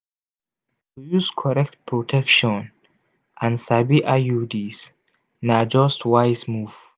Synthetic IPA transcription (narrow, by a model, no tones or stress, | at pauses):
tujuskʰɔɾɛk̚tpʰɹotʰɛkʃɔ̃n | ʔãnsabiʔajudiz | nad͡ʒɔstwajzmuv̥